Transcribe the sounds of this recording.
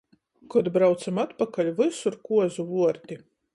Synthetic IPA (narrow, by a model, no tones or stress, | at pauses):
kɔd̪bɾawt̪samat̪pakalʲvɨsuɾkuɔzuvuɔɾt̪ʲi